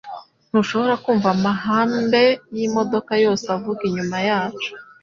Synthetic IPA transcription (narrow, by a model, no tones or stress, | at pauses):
n̥uʃo̞βo̞ɾakuːɱvamaɦaːmbe̞jimo̞do̞kajo̞ːseavuɡiɲumajaːt͡ʃu̥